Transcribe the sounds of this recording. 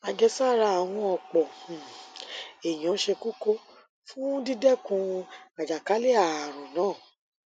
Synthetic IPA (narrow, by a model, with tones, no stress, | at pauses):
a˧ɡɛ˧˦sa˦˨ɾa˧a˨w̃ɔ̃˧ɔ˧˨k͡pɔ˨ | e˨j̃ã˨˦ʃe˧ku˦ko˧ | fũ˦di˦dɛ˦kũ˧a˨d͡ʒa˨ka˨˦le˦a˨ɾ̃ɔ̃˨nãː˨˦˨